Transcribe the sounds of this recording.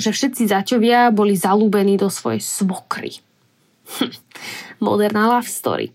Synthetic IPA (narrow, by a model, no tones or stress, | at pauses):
ʒɛfʃɛt̪̚t͡sizacɔʋɪabɔlizaluːbɛniːd̪ɔsʋɔ̰jɛ̰jsʋɔkɾḭ | m̩ | mɔ̰d̪ɛɾnɛlafst̪ɔ̰ɾḭ